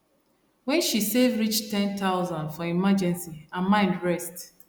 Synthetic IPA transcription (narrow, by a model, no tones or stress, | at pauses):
wɛ̃nʃisevɹit͡ʃtɛ̃nt̪aʊzãndfɔimad͡ʒɛ̃nsiãmãɪ̃ndɹɛst